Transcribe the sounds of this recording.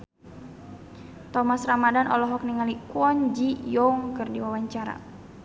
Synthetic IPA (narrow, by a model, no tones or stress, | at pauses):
t̪ɔmasramadanʔɔ̰lɔɦɔk̚niŋalikwɔnd͡ʒijɔŋkɨrdiwawaɲt͡ʃaɾa̰